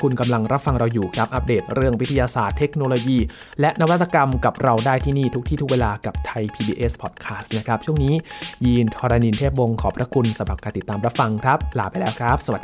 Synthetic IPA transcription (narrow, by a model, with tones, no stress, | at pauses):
kʰu˧nka˧mla˧ŋɾa˦˥p̚fa˧ŋɾa˧wjuː˨˩kʰɾa˦˥p̚ʔa˦˥p̚deː˨˩t̪̚ɾɯ˥˩əŋwi˦˥t̪ʰːa˧jaː˧saː˨˩t̪ʰːe˦˥k̚noː˧loː˧jiː˧ | lɛ˦˥ʔna˦˥wa˦˥t̪ːa˧ka˧mka˨˩p̚ɾa˧wdaː˥˩jt̪ʰiː˥˩niː˥˩t̪ʰu˦˥k̚t̪ʰiː˥˩t̪ʰk̚weː˧laː˧ka˨˩p̚t̪ʰa˧jpʰiː˧biː˧ʔeː˦˥spʰɔː˨˩t̪̚kʰaː˦˥st̪̚na˦˥˩kʰɾa˦˥p̚t͡ɕʰu˥˩əŋniː˦˥jiː˧nt̪ʰɔː˧ɾa˧ni˧nt̪ʰeː˥˩p̬̚wo˧ŋkʰɔː˩˦pʰɾa˦˥kʰu˧nsa˧˦mɾa˨˩p̚kaː˧nt̪i˨˩t̪ːaː˧mɾa˦˥p̚fa˧ŋkʰɾa˦˥p̚laː˨˩pa˧jlɛː˦˥wkʰɾa˦˥p̚sa˧wa˨˩d